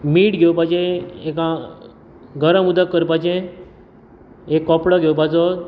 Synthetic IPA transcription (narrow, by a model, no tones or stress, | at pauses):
miːʈɡʱepajd͡ʑẽekã | ɡəɾə̃mud̪ʱəkːəɾpajd͡ʑẽ | ekːɔpɽaɡʱewbad͡zɔ